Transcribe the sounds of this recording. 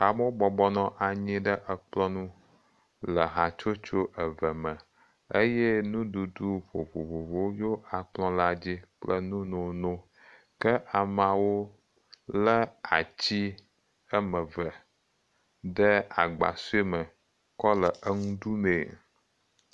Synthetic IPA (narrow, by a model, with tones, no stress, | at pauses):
a˨mõ˦bɔ˨bɔ˦nɔ̃˦ʔa˨ɲĩ˦ɖə˦ʔə˨k͡plɔ̃˦nũ˦ | lə˨ɦa˨t͡ʃo˦t͡ʃo˦ʔə˨və˨mə̃˨ | e˦jɛ˦nũ˦ɖu˨du˦ɸo˨vo˨vo˨vo˦jo˦a˨k͡plɔ̃˦la˦d͡ʑi˦k͡plə˦nũ˦nõ˨nõ˦ | kə˦ʔa˨ma˨wo˦ | lə˦a̰˨t͡ɕi˦ | ə˦mə̃˨və˨ | ɖə˦a˨ɡ͡ba̰˨su˦e˦mə˨ | kɔ˦lə˨ʔə˦ŋũ˦ɖu˦mẽ˨